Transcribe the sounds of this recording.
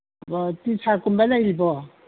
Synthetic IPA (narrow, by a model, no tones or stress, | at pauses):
bɔtisʰakumbalajɾibɔ